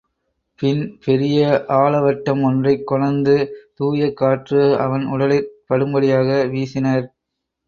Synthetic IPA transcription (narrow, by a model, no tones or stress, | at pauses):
pɪnpɛɾɪjɐʔaːɭɐʋɐʈːɐmɔndrɐɪkːʊɻɐnd̪ɯt̪uːjɐkːaːʈrɯɐʋɐnʊɽɐlɪɾpɐɽɯmbɐɽɪjaːɣɐʋiːsɪnɐɾ